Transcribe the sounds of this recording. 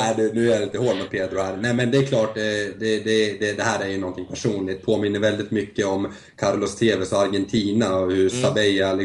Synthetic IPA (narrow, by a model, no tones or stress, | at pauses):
æd̪ʉnʉ̟ːæɾɪnt̪əhoːɖmɔt̪̚pʰeːd̪ɾʊhæɾnɛmɛnd̪ɛːɾkʰlɑːʈd̪ɛd̪ɛd̪ɛd̪ɛhæːɾæɾjɵnɔnt̪ʰɪŋpʰæʂuːnlɪt̪̚pʰoːmɪnːəɾvɛld̪ɪt̪mʏkːəɔm | kʰaɾlɔst̪ʰeːvɛsɔaɾɡɛnt̪ʰiːnaɔhɵɾsabɛjalɪ